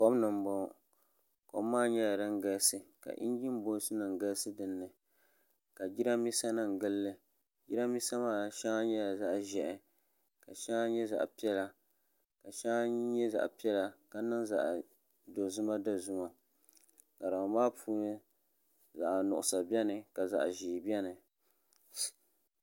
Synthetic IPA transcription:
kɔ˦bnɨ˨m˨bɔ˦˨ | ko̰˨˦maː˦ɲɛ˦ja˨dɨ˦ŋɡa˦lsɨ˨ka̰˨ʔḭ˦n˦d͡ʒi˦m˦bo˦sɨ˦nɨ˨ŋ˨ɡa˦lsɨ˦dɨ˨nːɨ˨ | ka˨d͡ʒi˦ɾa˦mi˦sa˦nɨ˨ŋɡɨ˦lːɨ˨ | d͡ʒi˦ɾa˦mi˦sa˦maː˦˨ʃɛ˦ŋa˦ɲɛ˦ja˨za˦ʔʒɛ˨ʔɛ˨ | ka˨ʃɛ˦ŋa˦ɲɛ˦za̰˨ʔpi˦ɛ˦la˦ | ka˨ʃɛ˦ŋ˦ɲɛ˦za̰˨ʔpi˦ɛ˦la˦ka˦nɨ˦nza̰˨ʔ | do˨zʊ˦ma˦da˦zʊ˦ma˨ | ka˨ɾa˨maː˦pʰuː˦n˦ | za̰˨ʔnʊ̰˨ʔʊ˨sa˨bɛ˦nɨ˨ka˨za̰˨ʔʒiː˨bɛ˦nɨ˨

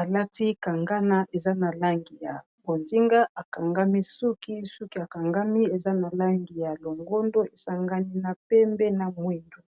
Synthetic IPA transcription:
a˨la˦ti˦ka˨ŋɡa˦na˦ʔe˨za˦na˨la˦ŋɡi˨ja˨ | bo˨nzi˦ŋɡa˦ʔa˨ka˨ŋɡa˦mi˦su˦ki˦su˦ki˦a˨ka˨ŋɡa˦mi˦e˨za˦na˨la˦ŋɡi˨ja˨lo˨ŋɡo˦ndo˦e˨sa˦ŋɡa˦ni˦na˨pɛ˦mbɛ˦na˨mwi˦ndu˨

